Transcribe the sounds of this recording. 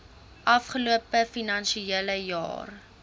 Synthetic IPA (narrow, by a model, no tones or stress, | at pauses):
ʔɐfχəluəpəfinɐnʃieləjɑ̰ːr